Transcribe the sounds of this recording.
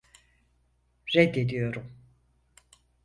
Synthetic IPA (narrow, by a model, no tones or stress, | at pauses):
ɾɛd̪ed̪ijo̞ɾum